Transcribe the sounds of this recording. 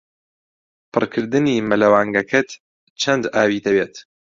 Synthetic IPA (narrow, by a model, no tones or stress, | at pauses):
pʰɨrkʰɨɾd̪ɨnimɨlɐwaːŋɡɐkʰɐt̪ | t͡ʃʰɐnd̪aːwiːt̪ɐbeːt̪